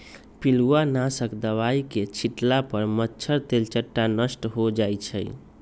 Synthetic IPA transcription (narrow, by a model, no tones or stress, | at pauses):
piluanasəkd̪əβaiket͡ʃʰiʈlapəɾmətːt͡ʃʰəɾt̪elt͡ʃəʈːanəsʈɦod͡ʒajt͡ʃʰəj